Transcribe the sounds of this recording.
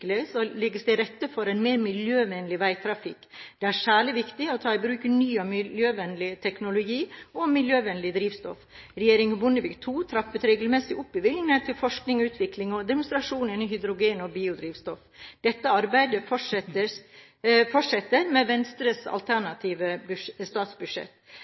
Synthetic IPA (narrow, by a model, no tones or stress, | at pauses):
ləsɔlɛɡːəsd̪ɛɾɛt̪ːəfɔɾæɪnmeːɾmɪljøːʋɛnlɪʋæɪt̪ʰɾɑfɪkːd̪̥ɛæɾʂæːɭɪʋɪkt̪ɪɔt̪ʰɑːɪbɾʉːkənyːɔmɪjøːʋɛnːlɪt̪ʰɛknʊlʊɡiːɔmɪljøːʋɛnlɪd̪ɾiːʋst̪ɔ̰f | ɾɛjeːɾɪŋbʊnəʋɪkt̪ʰuːt̪ʰɾɑpːət̪ɾeːɡəlmɛsɪʔʊpːɪʋɪlnɛt̪ʰːɪlfɔʂknɪŋʉːt̪ʰʋɪklɪŋɔd̪ɛmʊnst̪ɾɑʂuːnɪnːɪhʏd̪ɾʊɡeːnɔbiːʊd̪ɾiːʋst̪ɔfd̪̥ɛt̪ːəɑɾbæɪd̪əf | fɔʂɛt̪ːəɾmɛʋɛnst̪ɾəsɑ̰lt̪ʰæɳɑt̪ʰiːʋəbst̪ɑːt̪sbʉd̪ʂɛ̰t̪ː